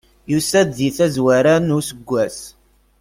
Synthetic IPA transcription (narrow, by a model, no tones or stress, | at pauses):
jusæd̪ːiθæzwæɾænʊɾsəɡʷːæs